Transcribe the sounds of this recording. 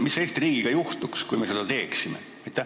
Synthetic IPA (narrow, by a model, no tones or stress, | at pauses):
misːeht̪iriːɡ̥iɡ̥ɑjuht̪ukskujme̞se̞d̪̥ɑt̪e̞ːksime | ɑjt̪ːˑæ